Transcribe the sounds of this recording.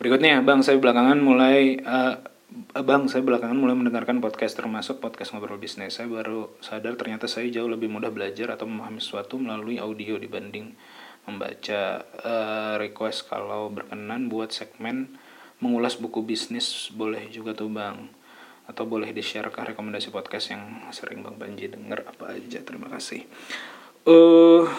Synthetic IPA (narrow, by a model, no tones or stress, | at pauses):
bəɾikʊt̪ɲajabaŋsajabəlakaŋanmulajə | baŋsajabəlakaŋanmulajməndəŋarkanpɔt̪̚kast̪ərmasʊk̚pɔt̪̚kasŋobəɾalbisnɪsːajabaɾusadart̪ərɲat̪asajad͡ʒaʊhləbɪhmudahbəlad͡ʒaɾat̪awməmaɦamisə̥suat̪uməlaluiʔaudiodibandɪŋ | məmba̰t͡ʃaəɾikwɛskʰa̰lawbərkənanbuat̪̚sɛɡ̚mɛn | məŋulasbukubisnɪsbolɛhd͡ʒuɡat̪ubaŋ | at̪awbolɛhdiʃaɾʔakahɾekoməndasipɔt̪̚kast̪jaŋsəɾʔɪ̰ŋbaŋbaɲd͡ʒidəŋə̰rapa̰ːd͡ʒat̪əɾimakasɪ̰h | ə